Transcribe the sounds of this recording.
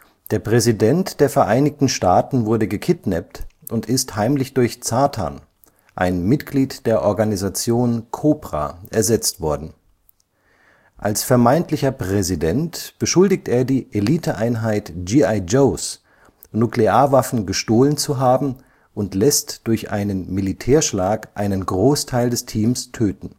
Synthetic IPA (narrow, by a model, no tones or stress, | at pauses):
d̥eːɐpʁ̥ɛzidɛntd̥eːɐfɛɐʔaɪnɪktn̩ʃtaːtn̩vʊɐdəɡəkʰɪtnɛp̚t | ʔʊntɪsthaɪmlɪçd̥ʊɐçt͡saːtʰa̰n | ʔa̰ɪnmɪtɡ̥liːtd̥eːɐʔɔɐɡanizat͡sjoːnkʰoːpʁ̥a̰ʔɛɐzɛt͡stv̥ɔɐdn̩ | ʔalsfɛɐmaɪntlɪçɐpʁ̥ɛzidɛntb̥əʃʊldɪk̚tʔeːɐdiːʔeliːtʰəʔaɪnɦaɪtd͡ʒiːaɪd͡ʒoːs | nukleaːɐvafn̩ɡəʃtoːlənt͡suɦaːbm̩ | ʔʊntlɛstd̥ʊɐçʔa̰ɪnənmilitʰɛːɐʃlaːkʔa̰ɪnənɡʁoːstʰaɪldɛstʰiːmstʰøːtn̩